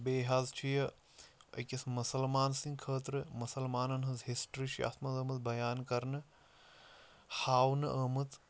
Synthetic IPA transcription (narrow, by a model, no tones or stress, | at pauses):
beːɦazt͡ʃʰijɐ | ɐ̰kɐsmusɐlmaːnsĩŋɡkʰəːt̪ɾɨmusɐlmaːnɐnɦɐzɦisʈɾiːt͡ʃʰia̰ːt̪mɐt̪ɐmɐt̪bɐjaːnkɐɾnɨ | haːwnɨʔəmɨt̪